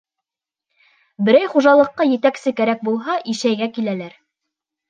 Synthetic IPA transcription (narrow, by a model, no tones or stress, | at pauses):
bɘ̆ɾæjχuʒɑlˠɤ̆qːɑjɘ̆t̪æksɘkæɾæk̚bulˠɦɑʔiʃæjɡækilælæɾ